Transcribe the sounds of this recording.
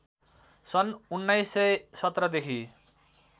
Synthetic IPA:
sʌnunːajsejsʌt̪ːɾʌd̪ekʰi

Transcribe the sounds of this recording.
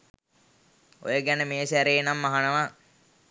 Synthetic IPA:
o̰jəɡænəmeːsæɾeːnamːaɦanəʋa

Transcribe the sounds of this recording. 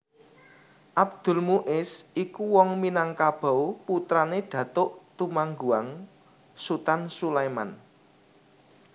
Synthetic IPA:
ʔab̚d̪̥ʊ̤lmuʔɪsikuwɔŋminaŋkab̥a̤wput̪ɾaneɖ̥ä̤t̪ʊʔt̪umaŋɡuaŋ | sut̪ansulajma̰n

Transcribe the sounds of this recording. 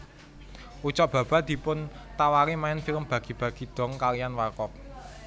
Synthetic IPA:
ut͡ʃɔʔb̥ä̤b̥a̤d̪̥i̤pʊn | t̪awaɾimaɛnfiləmb̥ä̤ɡ̥i̤b̥ä̤ɡ̥i̤d̪̥ɔ̤ŋkalijanwarkɔk̚

